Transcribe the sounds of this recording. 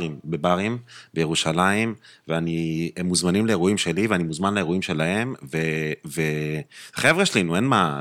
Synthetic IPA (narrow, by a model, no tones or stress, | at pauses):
imbe̞baʁimbejeʁuʃalaimveaniemːuzmanimleeʁuimʃe̞liveanimuzmanlaeʁoimʃe̞lahe̞mveveaχevʁeʃelinue̞nma